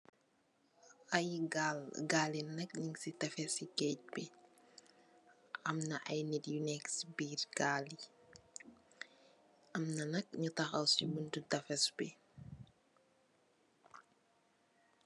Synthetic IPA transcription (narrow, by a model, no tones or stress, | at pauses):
ɐjɡalɡaːlinɐk̚ɲiŋsitɐfɛsikɛc̚bɛ | ɐmnɐʔɐjnitjunɛksbiːɾɡali | ʔɐmnɐnɐk̚ɲutɐxɐwsiməntutɐfɛsbɛ